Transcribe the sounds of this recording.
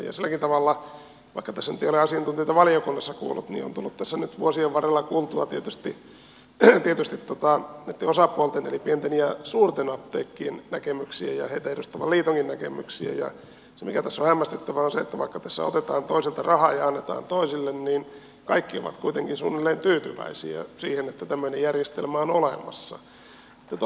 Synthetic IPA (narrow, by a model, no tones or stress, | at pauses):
jɑ̰silːækint̪ɑʋɑlːɑ | ʋɑ̰ikːɑt̪æsːænyt̪eijoleɑsiɑnt̪unt̪ieit̪ɑʋɑlijokunːɑsːɑkṵːlːut̪nḭo̰nt̪ulːut̪t̪æsːænyt̪ʋuosieʋʋɑrelːɑkuːlt̪uɑt̪iet̪yst̪i | t̪iet̪yst̪it̪ːot̪ɑnt̪ːeosɑpuolt̪enḛlipient̪enjɑsuːrt̪enɑt̪ːḛːkːiennækemyksiæjɑheit̪æeɾust̪ɑʋɑliːt̪oŋkinnækḛmyksḭæ̰jɑ̰ | semikæt̪æsːohæmːæst̪et̪ːæʋæonseet̪ːæʋɑikːɑt̪æsːæ̰o̰t̪et̪ɑːnt̪oiselt̪ɑrɑhɑjɑɑnːet̪ɑ̰ːnt̪oisilːenniːn | kɑikːio̰ʋɑ̰t̪kuit̪eŋkinsṵːnːelːeːnt̪yːt̪yʋæ̰isḭæ̰siːhenet̪ːæt̪æmːøinejjærjest̪elmæonolemɑ̰sːɑ̰ | et̪ːæt̪